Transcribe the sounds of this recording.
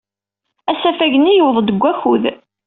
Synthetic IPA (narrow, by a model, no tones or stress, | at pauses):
æsæfæʝənijəwðˤd̪əɡʷːæçuð